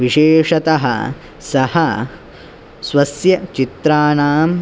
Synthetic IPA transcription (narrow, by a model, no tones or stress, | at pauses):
ʋiʃeːʂɐt̪ɐɦɐ̰ | sɐhɐ | sʋɐsjɐt͡ʃit̪ɾaːnaːm